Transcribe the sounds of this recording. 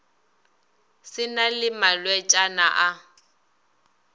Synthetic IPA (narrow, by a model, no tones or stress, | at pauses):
sɪnalɪmalwɛt͡ʃʼana̰ʔa